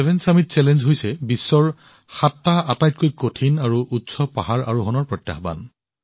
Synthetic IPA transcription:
ɛbʱɛnsamit̚sɛlɛnzɦojsɛbisːɔɹ | xatːaatajt̚kojkotʰinaɹuʔutsɔpaɦaɹa̰ɹuɦɔnɔɹpɹɔtja̰xba̰n

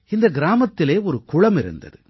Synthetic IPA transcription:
ɪnd̪ɐɡɪɾaːmɐt̪ːɪleːɔɾɯkʊɻɐmɪɾɯ̰nd̪ɐ̰ðɯ

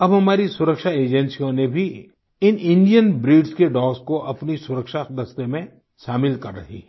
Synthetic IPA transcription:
ɐbɦɐmaːɾisʊɾəkʃaeːd͡ʒɛnsijõnebʱi | ɪnɪ̃ɳɖijənbɾiːɖskeɖɔːskoʔɐpnisʊɾəkʃad̪ɐst̪emẽ | ʃaːmɪlkɐɾːə̰ɦḭː

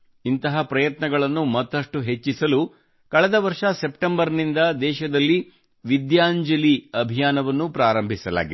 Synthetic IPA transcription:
int̪ɐɦɐpɾɐjɐt̪nɐɡɐɭɐnːumɐt̪ːɐʂʈuɦe̞t͡ʃːisɐlu | kɐɭɛd̪ɐʋɐɾʂɐsepʈembɐɾnind̪ɐd̪ɛːʃɐd̪ɐlːi | ʋid̪jaːɲd͡ʒɐliɐbʱijaːnɐʋɐnːupɾaːɾɐmbʱisɐla̰ːɡi

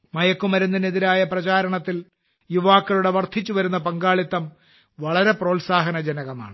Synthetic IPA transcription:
mɐjɐkːumɐɾunːɐneðiɾaːjɐprɐt͡ɕaːɾɐɳɐt̪ːil | juʋaːkːɐɭuɽe̞ʋɐrt̪ʰːit͡ɕːuʋɐɾunːɐpɐŋɡaːɭit̪ːɐm | ʋɐɭɐɾe̞pro̞ːlsaːɦɐnɐd͡ʑɐnɐɣɐma̰ːɳɨ

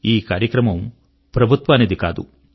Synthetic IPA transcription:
iːkaːɾjɐkɾɐmɐm | pɾɐbʱut̪ʋaːnid̪ikaːd̪ṵ

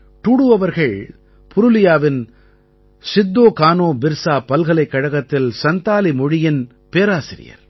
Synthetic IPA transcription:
t̪uɽɯʋɐʋɐɾɣɐɭ | pʰʊɾʊlɪjaːʋɪn | sɪd̪ːoːkaːnoːbɪɾsaːpɐlɣɐlɐɪkːɐɻɐɣɐt̪ːɪlsɐnt̪aːlimɔɻɪjɪn | peːɾaːsɪɾɪ̰jɐ̰ɾ

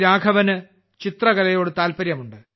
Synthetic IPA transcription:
ɾaːɡʰʱɐʋɐnɨ | t͡ɕit̪rɐɣɐlɐjo̞ːɽɨt̪aːlpɐɾjɐmuɳɖɨ

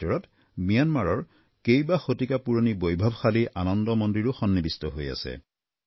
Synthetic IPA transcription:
ɔɹɔt | mijanmaɹɔɹ | kejbaxotikapuɹonibojbʱɔbxaliʔanɔndɔmɔndiɹʊxɔnːibistɔɦoja̰sɛ̰

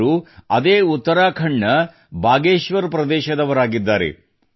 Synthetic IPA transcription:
ɾuɐd̪eːut̪ːɐɾaːkʰɐɳːɐ | bʱaːɡeːʃʋɐɾpɾɐd̪ɛːʃɐd̪ɐʋɐɾaːɡid̪ːaːɾḛ

